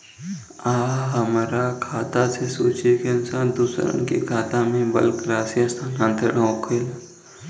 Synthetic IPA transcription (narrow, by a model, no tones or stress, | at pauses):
aːɦəmɾakʰaːt̪asesuːt͡ʃikeɪnsaːnd̪uːsɾə̰nkḛkʰaːt̪amẽbə̰lkɾaːsijəst̪ʰaːnãːnt̪eɽookʰela